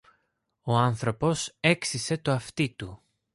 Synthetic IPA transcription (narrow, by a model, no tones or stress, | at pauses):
o̞ɐnθɾo̞po̞se̞ksise̞t̪oɐft̪it̪u